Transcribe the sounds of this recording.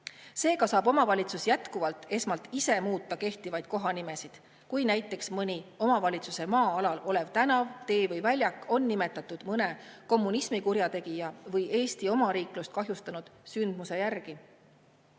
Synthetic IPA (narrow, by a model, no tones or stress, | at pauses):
se̞ːɡɑsɑːbo̞mɑvɑlʲit̪susjæt̪kuvɑlt̪ːe̞smɑlt̪ise̞muːt̪ːˑɑke̞ht̪ivɑjd̪̥̚ko̞ɦɑnime̞sid̪̥ | kujnæjt̪ːˑe̞ksmɤnʲio̞mɑvɑlʲit̪suse̞mɑːɑlɑlo̞le̞vt̪ænɑvt̪e̞ːvɤjvælʲjɑkːˑo̞nːime̞t̪ːˑɑt̪ːud̪̥mɤne̞ko̞mːunismikuɾjɑt̪e̞ɡ̥ijɑvɤje̞ːst̪io̞mɑɾiːklust̪̚kɑɦjust̪ɑnud̪̥synd̪̥muse̞jærɡ̥i